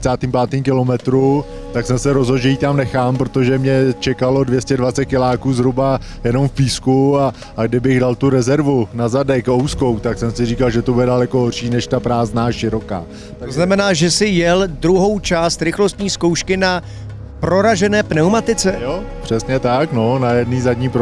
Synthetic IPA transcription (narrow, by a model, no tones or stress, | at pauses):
t͡saːt̪impaːt̪iːmkɪlo̞mɛt̪ɾu | t̪aksɛmsɛɾo̞zɦod̪ʒɛjiːt̪amnɛxaːmpɾot̪o̞ʒɛmɲɛt͡ʃɛkalo̞dvjɛscɛdvat̪t͡sɛt̪̚kɪlaːkuːzɦɾuba | jɛno̞mfpiːskua | ɡdɪbɪɣdalt̪uɾɛzɛɾvunazadɛkowsko̞wt̪aksɛmsɪriːkalʒɛt̪obudɛdalɛkoɦorʃiːnɛʃt̪apɾaːznaːʃɪɾo̞ka̰ː | t̪aoznamɛnaːʒɛsɪjɛldɾuɦo̞wt͡ʃaːst̪ɾɪxlo̞st̪ɲiːskowʃkɪna | pɾo̞ɾaʒɛnɛːpnɛwmat̪ɪt͡sɛjopr̥ɛsɲɛt̪akno̞najɛdniːzadɲiːpɾ